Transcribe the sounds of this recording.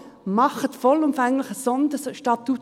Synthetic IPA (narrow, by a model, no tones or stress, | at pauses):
mɑχət̪fɔlʊmfɛŋlɪχəsɔndəʃtɑt̪ːut